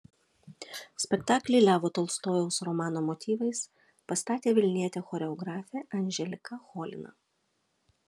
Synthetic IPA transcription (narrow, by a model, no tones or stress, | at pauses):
sʲpʲɛkt̪ɑːklʲɛɪlʲæːʋoːt̪ɔːlˠst̪oːjɛʊsɾɔmɑːnoːmɔt̪ʲiːʋɐɪs | pɐst̪ɑːt̪ʲeːʋʲɪlʲnʲiɛt̪ʲeːxɔːɾʲɛɔɡɾɑːfʲeʔɐnʲʒʲɛlʲɪkɐxɔːlʲɪ̰nɐ̰